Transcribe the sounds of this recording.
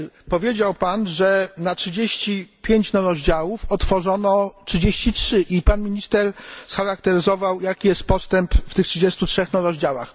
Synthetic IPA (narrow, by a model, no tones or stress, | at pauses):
pɔvʲjed͡ʑawpanʐɛnatʂɘd͡ʑeɕt͡ɕipʲjeɲt͡ɕnɔɾɔʑd͡ʑawufɔt̪fɔʐɔnɔtʂɨɘd͡ʑeɕt͡ɕitʂɘʔipanmʲiɲʲist̪ɛɾsxaɾak̚t̪ɛɾɘzɔvawjakʲijɛst̪̚pɔst̪ɛmpft̪ɘxtʂɨd͡ʑest̪utʂɛxnɔɾɔʑd͡ʑawa̰x